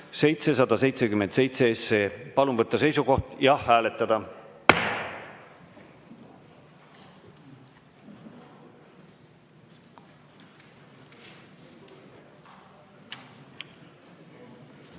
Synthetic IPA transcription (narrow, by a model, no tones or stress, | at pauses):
se̞jt̪se̞sɑd̪̥ɑse̞jt̪se̞kymense̞jt̪se̞esːeːpɑlunvɤt̪ˑːɑse̞jsuko̞ht̪jɑhːæːle̞t̪ːˑɑd̪̥ɑ